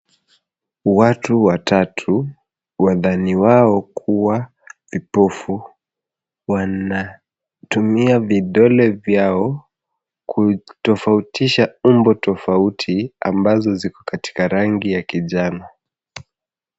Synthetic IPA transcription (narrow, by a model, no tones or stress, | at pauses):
watuwatʰatʰu | waðaniwaɔkʰuwa | vipɔfu | wana | tumiaviɗɔlɛvjaɔ | kʰutɔfautʰiʃaumbɔtɔfautʰia̰mbazɔzikɔ̥kati̥kaɾaŋɡijakiʄanɔ